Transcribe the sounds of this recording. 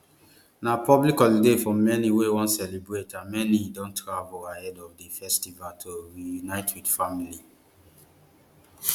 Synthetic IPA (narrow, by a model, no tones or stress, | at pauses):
napɔblikɔlidefɔmɛniwewɔ̃ntsɛlibɹetãnmɛnidɔ̃ntʰɹavolahɛdɔvdifɛstivaltʰoɹijunaɪtwidfamili